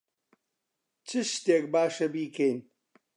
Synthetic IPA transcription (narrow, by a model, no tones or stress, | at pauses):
t͡ʃʰɨʃteːk̚baːʃɐbiːkʰejn